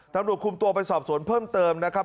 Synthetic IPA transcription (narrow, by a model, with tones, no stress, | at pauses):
t̪a˧mɾu˨˩ət̪̚kʰu˧mt̪u˧ɐpa˧jsɔː˨˩p̚su˩˦ənpʰɤː˥˩mt̪ɤː˧mna˦˥kʰa˦˥